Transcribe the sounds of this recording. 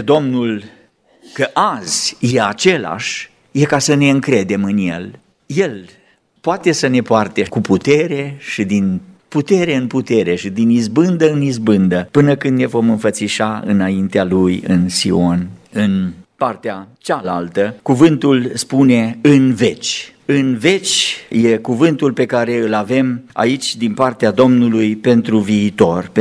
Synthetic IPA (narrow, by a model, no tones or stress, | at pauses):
d̪o̞mnul | kəʔaz̥ʲje̞at͡ʃe̞la̰ʃʲ | je̞kasəne̞ɨŋkɾe̞d̪e̞mɨnje̞̰l | je̞l | poat̪e̞səne̞poart̪ekuput̪e̞ɾe̞ʃid̪input̪e̞ɾe̞ɨnput̪e̞ɾe̞ʃid̪inizbɨnd̪əɨnizbɨnd̪əpɨnəkɨnd̪ne̞vo̞mɨnfət̪siʃaɨ̰naint̪ealujɨnsḭo̞nɨnpart̪eat͡ʃalalt̪əkuvɨnt̪ulspune̞ɨnve̞t͡ʃʲɨnve̞t͡ʃʲje̞kuvɨnt̪ulpe̞kaɾe̞ɨlave̞ma̰it͡ʃʲd̪inpart̪ead̪o̞mnulujpe̞nt̪ɾuviːt̪o̞rp